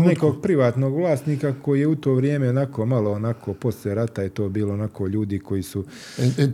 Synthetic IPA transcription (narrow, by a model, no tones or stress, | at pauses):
neko̞ːɡpɾiʋaːt̪no̞ɡʋlˠaːst̪niːkakojijeut̪o̞ːʋɾjeːmeonakomalˠoonakʰo̞ːpo̞sʎeɾat̪ajet̪o̞ːbiːloonakʰo̞ːʎuːd̪iko̞jisu